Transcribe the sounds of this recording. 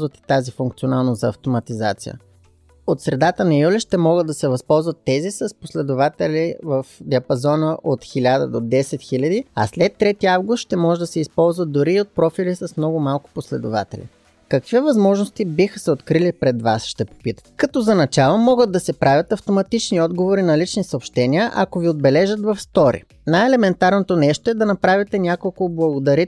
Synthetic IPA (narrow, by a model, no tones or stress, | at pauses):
zvət̪ɛ̥t̪azifuŋkt̪sionalˠnəzɐːft̪omɐt̪iza̰t̪sijə̰ | ot̪sɾɛd̪at̪ənɐjulʲiʃt̪ɛmɔɡəd̪ːɐsɛvɐspɔlˠzvət̪ːɛzisɐsposlɛd̪ʊvat̪ɛlʲivəfd̪iɐpɐzɔnəʔot̪xilʲad̪ə̰d̪od̪ɛsɛt̪xilʲəd̪iɐ̰slɛt̪ːɾɛt̪iavɡʊst̪ʃt̪ɛmɔʒɛd̪ɐsɛispɔlˠzvəd̪̚d̪ʊɾiːot̪̚pɾɔfilisɐsmnɔɡʊmalˠkʊ̥poslɛd̪ʊ̰va̰t̪ɛ̰lḭ | kɐkvivɐzmɔʒnost̪ibixəsɛot̪kɾilipɾɛd̪va̰sʃt̪ɛpo̥pit̪əkɐt̪ɔzɐnɐt͡ʃalˠomɔɡəd̪̚d̪ːɐsɛpɾavʲjɐt̪ɐft̪omɐt̪it͡ʃniɔd̪ɡovoɾinɐlit͡ʃnisɐoːpʃt̪ɛniəʔɐ̰koviod̪bɛlɛʒət̪vɐfst̪ɔɾḭ | najɛlɛmɛnt̪aɾnot̪onɛʃt̪oɛd̪ɐnɐpɾavʲit̪ɛnʲakolˠkʊblˠɐɡʊd̪ɐɾi